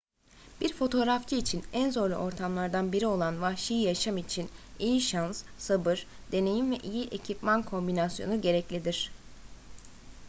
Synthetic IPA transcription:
b̥iɾfo̞t̪ʰo̞ɾaft͡ʃʰɯːt͡ʃʰinænzo̞ɾlˠuʔo̞ɾt̪ʰamlˠaɾd̪anbiɾio̞lˠanvahʃijjaʃamit͡ʃʰinijiʃanssabɯɾ | d̪e̞ne̞jimvɛʔijiʔecʰipmankʰo̞mbinasjo̞̰nuɟe̞ɾɛclʲid̪iɾ̝̥

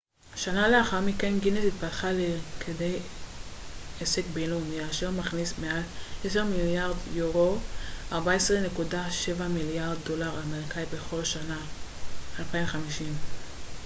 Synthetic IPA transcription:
ʃanale̞aχaʁmikenɡinesit̪̚patχalekʰedej | esekbejlounijaʃeʁmaχnismealʔeseʁmiljaʁdjoʁo̞ʔaʁbaesʁene̞kudaʃevamiljaʁdːo̞laʁalmalkajbe̞χo̞lʃana | alpajimχamiʃim

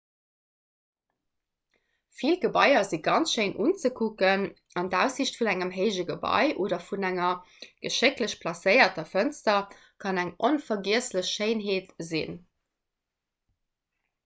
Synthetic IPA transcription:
filɡəbɑɪɐziɡɑnt͡sʃəɪnʔṵnt͡səkʰukən | ɑndæʊsiɕtfunæŋəmɦəɪʒəɡəbɑ̰ɪʔoːdɐfunæŋɐ | ɡ̥əʃɪkləɕpʰlɑsəɪɐtɐfənstɐ | kʰɑnæŋʔonfɐɡiəsləɕʃeɪnɦeːtzḭn

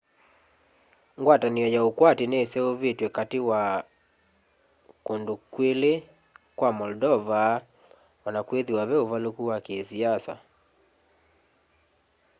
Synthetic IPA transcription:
ŋɡwataniɔjaokwatinesɛoβetwɛkatewa | kondokwele | kwamɔldɔva | wanakweðiwaβɛovalokuwakesiasa̰

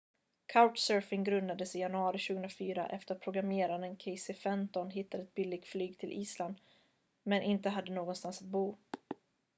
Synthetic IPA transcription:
kʰaʊʈsœɾfɪŋɡɾɵnd̪ad̪əsɪjanɵɑːɾɪʃʉːɡɵənɾafyːɾa̰ʔɛft̪əɾat̪̚pʰɾʊɡɾameːɾanənkʰɛɪsɪfɛmt̪ɔnɦɪt̪ːad̪əɛt̪̚bɪlːɪɡ̚t̪flyːɡt̪ʰɪlʔiːsland̪ | mɛnʔɪnt̪əɦad̪ːənoːɡɔnst̪ansat̪̚buː

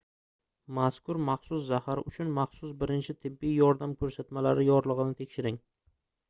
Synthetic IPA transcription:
maskʰʊɾmaχsʊs̬zahaɾɪʊt͡ʃʰʊnmaχsʊsbɪɾɪnt͡ʃʰɪt̪ʰɪbːijjɒɾd̪amkʰɵɾsat̪malaɾɪjɒɾlˠɨʁɨnɪt̪ʰe̞kʲʃɪɾɪŋ

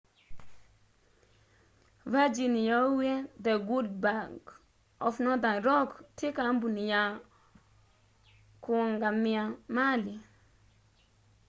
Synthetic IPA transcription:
vad͡ʒinijawed̪ɛɡud̚baɡ | ɔfnɔdaɾɔktikambunija | kuŋɡamiamali

